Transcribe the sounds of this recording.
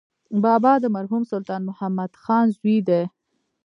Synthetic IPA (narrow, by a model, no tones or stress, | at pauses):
bɑːbɑd̪əmaɾɦumsʊlt̪ɑːnmʊhamːad̪xɑnzwid̪e